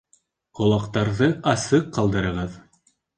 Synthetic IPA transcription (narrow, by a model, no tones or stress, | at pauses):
qŏlˠɑqt̪ɑɾðɤʔɑsɤqːɑlˠd̪ɤ̆ɾɤ̆ʁɤð